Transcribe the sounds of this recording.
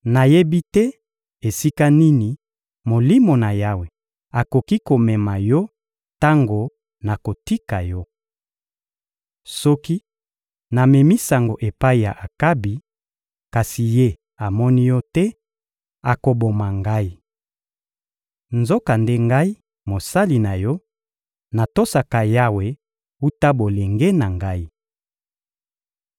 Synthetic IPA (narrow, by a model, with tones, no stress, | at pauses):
na˨je˦bi˦tɛ˦ | e˨si˦ka˦ni˦ni˨ | mo˨li˦mo˨na˨ja˦we˨ | a˨ko˨ki˦ko˨mɛ˨ma˨jɔ˦ | ta˦ŋɡo˨ | na˨ko˨ti˦ka˨jɔ˦ | sɔ˦ki˦ | na˨mɛ˨mi˦sa˨ŋɡo˨ʔe˨pa˦i˨ja˨ʔa˨ka˦bi˨ | ka˨si˨je˦ | a˨mɔ˦ni˦jɔ˦tɛ˦ | a˨ko˨bo˨ma˨ŋɡa˦i˦ | nzo˦ka˨nde˦ŋɡa˦i˦ | mo˨sa˦li˨na˨jɔ˦ | na˨to˦sa˨ka˨ja˦we˨˦ | u˦ta˦bo˨le˨ŋɡe˦na˨ŋɡa˦i˦